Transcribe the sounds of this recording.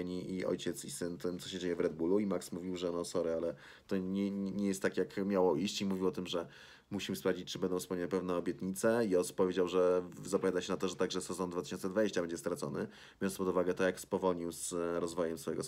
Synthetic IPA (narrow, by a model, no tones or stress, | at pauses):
ɲiʔiɔ̰jt͡ɕɛt̪sisɘnt̪ɘmt̪sɔɕɛd͡ʑejɛvɾɛd̪̚buluimaksmuvʲiwʐɛnɔsɔɾɘalɛ | t̪ɔɲɛɲɛjɛst̪ːakʲjakmʲjawɔiɕt͡ɕimuvʲiwɔt̪ɘmʐɛ | muɕimspɾavd͡ʑit͡ɕ̚ʲt͡ʂɨbɛnd̪ɔ̃wfspɛwɲawɛpɛvnɛɔbʲjɛt̪ɲit̪sɛiɔsu̥pːɔvʲjed͡ʑawʐɛzapɔvʲjad̪aɕɛnat̪ɔʐɛt̪aɡʐɛsɛzɔnd̪vat̪ɘ̥ɕɔ̃nsɛd̪vad͡ʑeɕt͡ɕabɛɲd͡ʑɛst̪ɾat̪sɔnɘ | bʲɔɾɔnspɔd̪uvaɡɛt̪ɔjakspɔvɔlɲiwsɾɔzvɔjɛmsfɔjɛɡɔ